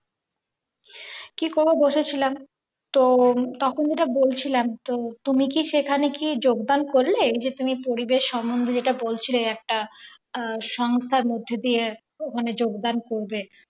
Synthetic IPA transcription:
kikoɾboboʃʰet͡ɕʰilam | t̪ot̪ɔkʰond͡ʑeʈabolt͡ɕʰilamt̪ot̪umikiʃekʰanekid͡ʑoɡd̪ankoɾled͡ʑet̪umipoɾibeʃːɔmbond̪ʱod͡ʑeʈabolt͡ɕʰileɛk̚ʈa | ʃɔŋst̪ʰaɾmod̪ʱːed̪ie | okʰaned͡ʑoɡd̪ankoɾbe

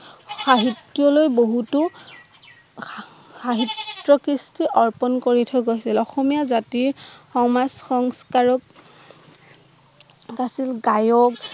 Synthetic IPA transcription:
xaɦitːjɔlojboɦutu | xaɦitɹɔkɹistiʔɔɹpɔnkoɹitʰɔɡojsilɔxɔmijazatiɹxɔmazxɔŋskaɹɔk̚ | asilɡajɔk

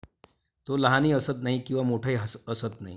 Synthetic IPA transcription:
t̪oləɦaniːəsət̪naɦikĩw̃ʋamoʈʰaiɦəsəsət̪naɦḭ

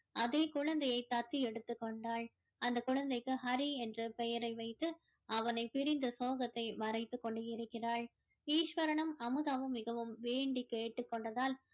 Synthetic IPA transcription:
ʔɐðeːkʊɻɐnd̪ɐjɐɪt̪ːɐt̪ːiɛɽɯt̪ːɯkːɔɳɖaːɭ | ʔɐnd̪ɐkʊɻɐnd̪ɐɪkːɯɦɐɾiɛndrɯpɛjɐɾɐɪʋɐɪt̪ːɯ | ʔɐʋɐnɐɪpɪɾɪnd̪ɐsoːɣɐt̪ːɐɪmɐrɐɪt̪ːɯkːɔɳɖɯɪɾɯkːɪraːɭ | iːʂʋɐɾɐɳɐmɐmɯðaʋɯmːɪɣɐʋɯmʋeːɳɖikeːʈːɯkːɔɳɖɐðaːl

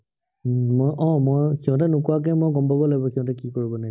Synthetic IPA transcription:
mɔjʔɔ̃mɔjkiɔ̃tɛnʊkʊwak̬ɛmɔjɡɔmbʱɔbɔlaɡbɔkiɔ̃tɛkikoɹibɔna

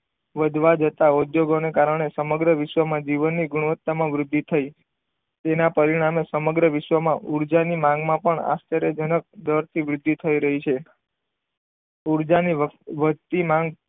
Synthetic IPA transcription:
ʋəd̪ʱʋad͡ʒət̪aud̪joɡonekaɾəɳ̃esəməɡɾəʋɪʃʋəmãd͡ʒiʋənːiɡuɽ̃əʋət̪ːamãʋɾʊd̪ʱːit̪ʰəi | t̪enapəɾiɽ̃amesəməɡɾəʋɪʃʋəmãʔuɾd͡ʒanimãŋɡmãpəɳa̰st̪ʰəɾed͡ʒənək̚d̪əɾt̪ʰiʋɾʊd̪ʱːit̪ʰəiɾəɦit͡ʃʰe | uɾd͡ʒaniʋət̪imãŋɡ

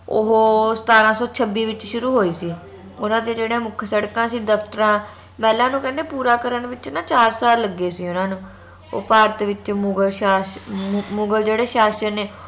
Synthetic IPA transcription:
o̰ɦoːst̪aːɾãːsɔːt͡ʃʰəbiːʋɪt͡ʃʃʊɾuːɦoːiːsiː | ʊnãːd̪eːd͡ʒeːɽeãːmʊkʰsəɽkãːsiːd̪əpʰt̪əɾãː | pɛːlãːnũːkɛ̃nd̪eːpuːɾaːkəɾənʋɪt͡ʃnaːt͡ʃaːɾsaːlːəɡːeːsiːʊnãːnũː | o̰ːpaːɾt̪ʋɪt͡ʃmʊɡəlʃaː | mʊ̃ɡəld͡ʒeːɽeːʃaːʃəneː

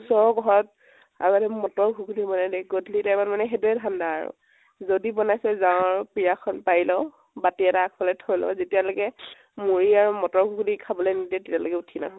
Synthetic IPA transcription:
sɔɹɡʱɔɹɔt | a̰ɡatɛmɔtɔɹɡʱukudibɔnadɛɡodʱlitajmanmanɛɦeduɛdʱandaaɹṵ | zodibɔnajsɛzãʊ̃ɹpɹijakʰɔnpailɔ | batiɛtaakʰbɔlɛjtʰɔjlɔ̰zetialokɛ | muɹiaɹumɔtɔɹɡʱukudikʰabɔlɛjnidɛtetialokɛutʰina̰ɦɔ

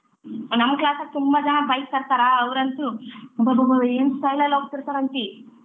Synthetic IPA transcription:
nɐmːɐklaːsɐk̚ːt̪umbad͡ʒɐnɐbɐjsɐɾt̪aːɾɐɐʋɾɐnt̪ubɐbɐbɐeːnsʈɐjlɐlːoːɡ̚t̪iɾt̪aːɾɐnt̪i

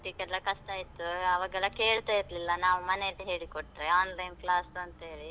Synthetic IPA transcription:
t̪ikɛlːɐkɐʂʈaːjit̪ːuɐʋaːɡɛlːɐkeːɭt̪aːjiɾlilːɐnaːʋumɐnelːɦe̞ːɭikoʈːɾeaːnlɐjnklaːsuɐnt̪ɐɦeːɭi

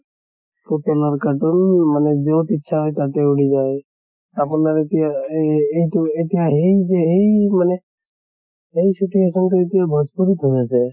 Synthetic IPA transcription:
puʈɔlɔɾkaʈɔnmanɛd͡ʒɔwt̪itːʃʰaɦɔjt̪at̪euɽid͡ʒaj | apunaɾet̪ijaejtuet̪ijaɦejd͡ʒeɦejmane | ɦejsuʈiesɔnt̪uet̪ijabʱɔspuɾit̪ɦod͡ʒasʰɛ

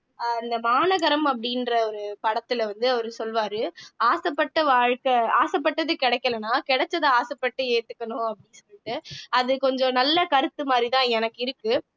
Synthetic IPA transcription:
ɪnd̪ɐmaːnɐɣɐɾɐmɐp̬ːɐɽɪnrɐɔɾɯpɐɽɐt̪ːɪlʋɐnd̪ɯɐʋɐɾɯsɔlʋaːɾɯaːsɐpːɐʈːɐʋaːɻkɐaːsɐp̬ːɐʈːɐðɯkɪɽɐɛkːɐlɐnːaːkɪɽɛt͡ʃːɐðɐaːsɐpːɐʈːɯeːt̪ːɯkːɐɳʊ̃ɐpːɐɽinsɔlːɪʈːɯɐðɯkɔɲd͡ʒɔ̃nɐlːɐkɐɾɯt̪ːɯmaːd̪ɾit̪ãːɛnɐkːɪɾɯkːɯ

